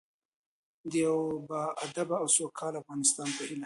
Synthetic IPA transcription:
d̪əjawbɑad̪abaawsokʰɑlafɣɑnɪst̪ɑnpahila

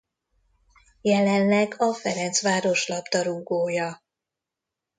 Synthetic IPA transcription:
jɛlɛnlɛɡɒfɛɾɛnt̪sʋaːɾo̞ʃlɒbd̪ɒɾuːɡoːjɒ

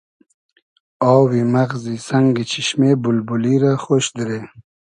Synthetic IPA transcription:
ɔːwimaɣzisaŋɡit͡ɕʰiʃmebʊlbuliɾaxoʃd̪ɾe

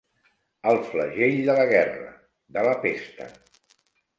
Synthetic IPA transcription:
əlˠfləʒeʎd̪ələɣɛrə̰ | d̪ələpest̪ə̰

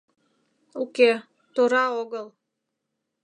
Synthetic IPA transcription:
uke | t̪oɾɑoɣəl

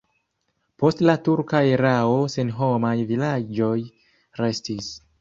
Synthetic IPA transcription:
po̞stlatuɾkaeɾao̞senɦo̞majvilad͡ʒo̞j | ɾe̞stis

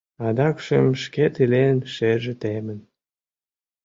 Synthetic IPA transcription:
ɑd̪ɑkʃemʃket̪ilenʃeʒĕt̪emə̆n

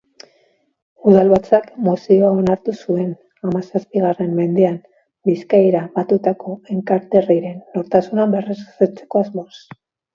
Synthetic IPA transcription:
uðalβat͡sakmosioao̞naɾt̪usue̞n | amasaspiɣare̞mːe̞nd̪eam | biskajɾaβat̪ut̪ako̞e̞ŋkaɾt̪e̞riɾe̞nːo̞ɾt̪asunamberezset͡se̞̥ko̞azmo̞s

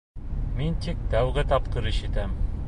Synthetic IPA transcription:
mint̪ik̚t̪æwɡɘt̪ɑp̚qɤɾiʃɘ̆t̪æm

